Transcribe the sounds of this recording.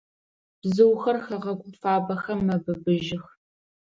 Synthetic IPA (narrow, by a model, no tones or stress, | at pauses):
b̥zɨwxɐrxɐʁɐɡʷʼʊmfaːbɐxɐmːɐbɨbɨʒʒɪx